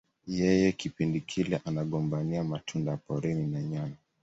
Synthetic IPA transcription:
jɛjɛkipindikʰilɛʔanaɠɔmbaniamatʰundaapɔɾɛninaɲana

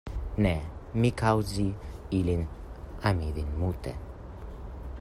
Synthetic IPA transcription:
nɛmikʰawziilinamiðinmut̪ɛ̰

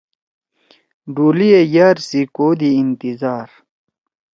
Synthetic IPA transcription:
ɖuːlijejaɾsikoːd̪iːnt̪izaːɾ

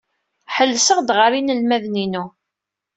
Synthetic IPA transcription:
ħəlːsəʁd̪ʁəɾinəlmæðninu

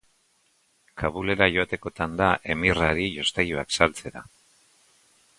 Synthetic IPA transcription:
kaβule̞ɾaʝo̞at̪e̞ko̞t̪and̪aʔe̞miraɾiʝo̞st̪ajuaksalt͡se̞ɾa̰

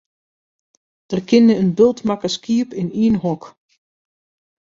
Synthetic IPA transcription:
d̥ərkʰɪnəənbɪlˠtmakəskiəpɪniənɦɔk

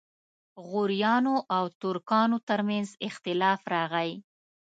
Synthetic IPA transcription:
ɣʊɾijɑnoʔawt̪ʊɾkɑnot̪əɾmanzɪxt̪ɪlɑfɾɑɣaj

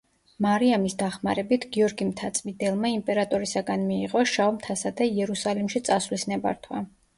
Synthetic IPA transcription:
maɾiamisd̪aχma̰ɾɛbit̪ʰɡiɔɾɡimt̪ʰat̪sʼmid̪ɛlˠmaimpʼɛɾat̪ʼɔɾisaɡanmiːʁʼɔʃaɔmt̪ʰasad̪aiɛɾusalimʃit̪sʼasvlisnɛba̰ɾt̪ʰwa̰

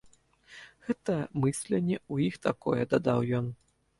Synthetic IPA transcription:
ɣɛt̪ɐmɨsʲlʲɛnʲːɛujixt̪akɔjɛd̪ad̪awjɔn

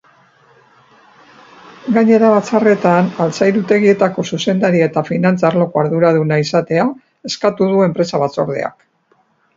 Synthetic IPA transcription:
ɡaɲe̞ɾaβat͡sare̞t̪analt͡sajɾut̪e̞ɣie̞t̪ako̞suse̞nd̪aɾiet̪afinant͡saɾlo̞koaɾðuɾaðunaisat̪e̞a | e̞skat̪uð̞ue̞mpɾe̞saβat͡so̞ɾð̞e̞̰a̰k

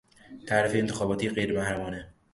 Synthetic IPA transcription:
t̪ʰæːɾefeːnt̪ʰexɒːbɒːt̪ʰiɣejɾemæhɾæmɒːne

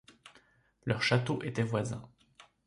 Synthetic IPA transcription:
lœʁʃat̪oʔet̪ɛvwazɛ̰̃

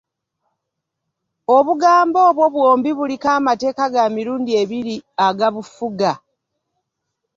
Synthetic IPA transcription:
o̞βuɡaːmbo̞ːβwo̞βwoːmbiβulikaːmate̞ːkaɡamiɾuːndie̞βiɾiaɡaβufuɡa

